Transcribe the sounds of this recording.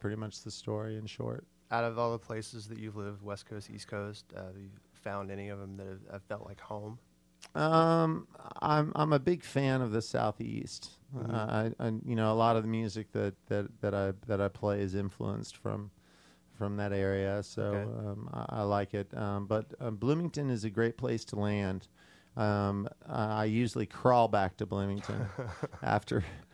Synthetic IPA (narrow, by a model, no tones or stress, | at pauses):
pʰɹ̥ɪɾimʌt͡ʃðɨstɔɹiɨ̃nʃɔ̰ɹt̚ | aʊɾʌvɔlˠðəpʰl̥eɪsɨzðɨt͡ʃʉvlɪvd̚wɛskʰoʊstḭskʰoʊstʌ̰jʉ | fãʊ̃ndɛñiʌvə̃m̩ðɨt̚ɨva̰v̥fɛlˠʔlaɪkhõʊ̃m | ʔʌ̃mã̰ɪ̃mʔã̰ɪ̃mɨbɪɡ̥fæ̃nʌvðɨsa̰ʊθḭstʌa̰ɪa̰jɨñoʊəlɔɾʌvðɨmjʉzɨk̚ðɨt̪̚ðɨɾ̚ðɨɾaɪðɨɾaɪpʰl̥eɪɨzɪ̃ɱflṵə̰̃nstfɹʌ̰̃m | fɹʌ̃mðɨɾɛɹiɨso̰ʊʌ̃ma̰a̰ɪlaɪkɪt̚ʌ̃mbʌt̚ʌblʉ̃mɪ̃ŋtɨ̃nɨzɨɡɹeɪt̚pʰl̥eɪstʰəlæ̃nd̥ | ʌ̃mʌaɪjʉʒl̩ˠikʰɹ̥ɔlˠbæk̚tʰɨblʊ̃mɪ̃ŋtʰɨ̰̃nʔæ̰ftə̰˞